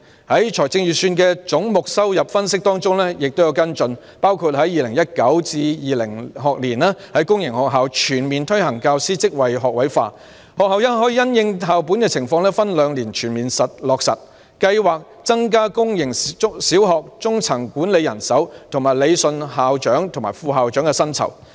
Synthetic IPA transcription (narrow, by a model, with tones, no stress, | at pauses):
hɐ˨˥jt͡ʃʰɔː˨˩jt͡sɪ˧ŋjyː˨syː˧nkɛː˧t͡sʊ˨˥ŋmʊ˨k̚sɐ˥wjɐ˨p̚fɐ˥nsɪ˥k̚t̪ɔː˥ŋt͡sʊ˥ŋlɛː˥jɪ˨k̚t̪o˥wjwkɐ˥nt͡ʃɵ˧n | paː˥wkʰuː˨˧t̚hɐ˨˥jiː˨˧lɪ˨˩ŋjɐ˥t̚kɐ˨˥wt͡siː˧jiː˨lɪ̰˨˩ŋɦɔː˨k̚liː˨˩naː˥hɐ˨˥jkʊ˥ŋjɪ˨˩ŋhɔː˨˩k̚ɦaː˨wt͡ʃʰyː˨˩nmiː˨nt̪ʰɵ˥ɥhɐ˨˩ŋkaː˧wsiː˥t͡sɪ˥k̚wɐ˨jɦɔː˨k̚wɐ˨˥jfaː˧ | hɔː˨k̚ɦɐ˨wjɐ˥ɦɔː˨˥jiː˧jɐ˥njɪ˧ŋʰaː˨wp̬uː˨˥nkɛː˧t͡sʰɪ˨˩ŋfɔː˧ŋlɛː˥fɐ˥nlœː˨˧ŋliː˨˩nt͡ʃʰyː˨˩nmiː˨nsɐ˨t̚lɔː˨k̚sɐ̰˨t̚ | kɐ˧jwaː˨k̚ | t͡sɐ˥ŋk̬aː˥kʊ˥ŋjɪ˨˩ŋ˥siː˨˥wɦɔː˨k̚t͡sʊ˥ŋt͡sʰɐ˨˩ŋkuː˨˥nle˨˧jɐ˨˩nsɐ˨˥wt̪ʰʊ˨˩ŋmaː˨˩jle˨˧jsɵ˧nɦaː˨wt͡ʃœː˨˥ŋt̪ʰʊ˨˩ŋmaː˨˩fuː˨˧ɦaː˨wt͡ʃœː˨˥ŋkɛː˧sɐ˥nt͡sʰɐ̰˨˩w